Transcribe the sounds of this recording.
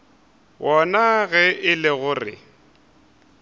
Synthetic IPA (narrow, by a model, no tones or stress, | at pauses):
wʔɔnaɣɛɪlɪɣʊrɪ̰